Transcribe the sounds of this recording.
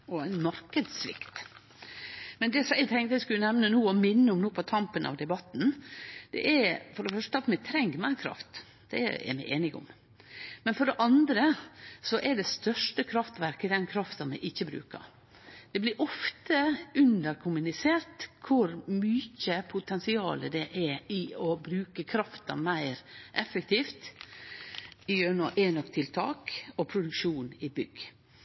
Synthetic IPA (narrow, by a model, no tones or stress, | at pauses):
ɔæɪnmɑɾkəd̪sʋɪ̰kt̪ | mɛnd̪ɛsɔmæɪt̪ʰɛŋt̪əæɪskʉlənɛʋnənuːɔmɪnːəʊmnuːpʰɔt̪ʰɑmpənʔɑ̰ʋd̪ɛbɑt̪ːn̩d̪̥ɛ̰ʔɛɾfɔɖɛfœʂʈəɑt̪mɛt̪ʰɾɛŋɡmæɪɾkʰɾɑ̰ft̪ | d̪̥ɛ̰ɛ̰mæɪʔeːnɪɡʊ̰m | mɛnfɔɖɛʔɑnd̪ɾəsɔʔɛɖɛst̪œʂʈəkʰɾɑft̪ʋæɾkəd̪ɛnkʰɾɑft̪ɑnmɛʔɪçːəbɾʉ̰ːkɑ̰ɾ | d̪̥ɛblɪɾʔɔft̪əʉnd̪əɾkʰʊmʉnɪseːɾt̪kʰʊɾmyːçəpʰʊt̪ʰɛnsɪɑ̰ːləd̪ɛʔɛɾɪɔbɾʉːkəkʰɾɑft̪ɑmæɪɾʔɛfːək̚t̪ʰiːft̪ | ɪjøɾnɔʔeːnɔkt̪ʰɪlt̪ʰɑ̰ːkɔpʰɾʊd̪ʉkʂuːnɪbʏɡ